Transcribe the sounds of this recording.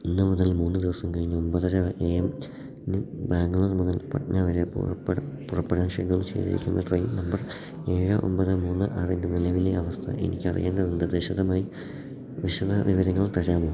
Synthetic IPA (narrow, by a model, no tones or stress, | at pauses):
inːɨmuðɐlmuːnːɨd̪iʋɐsɐmkɐɻiɲːɐombɐðɐɾɐʔeːɐm | nibaːŋɡulunɨmuðɐlpɐ̰ʈnaʋɐɾeppːɽpurɐpːeɽaːnʂḛɖɣɐɭut͡ɕḛːðḭɾḭkʲːunːɐʈrɐjinɐmbɐr | e̞ːɻɨʔo̰mpɐðɐmuːnːɨʔaːrind̪ɨnilɐʋileɐʋɐst̪ʰɐ̰ʔe̞̰nḭkʲːɐrḭjeːɳɖɐnind̪ɐd̪iɕɐðɐmaːji | ʋiɕɐðɐʋiʋɐɾɐŋːɐɭt̪ɐɾaːmoː